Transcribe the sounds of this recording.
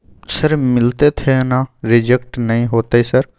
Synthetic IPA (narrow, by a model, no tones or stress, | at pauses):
səɾmɪlt̪et̪ʰenãːɾɪd͡ʒekʈnəĩːɦoːt̪aːiːsəɾ